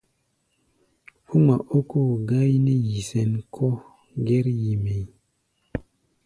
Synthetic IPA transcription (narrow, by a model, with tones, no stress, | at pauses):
u˦ma˨ʔo˦ko˦˨ɡa˦jne˦ji˨sɛ˨nkʰɔ˦ | ɡɛ˦ɾji˨me˨˦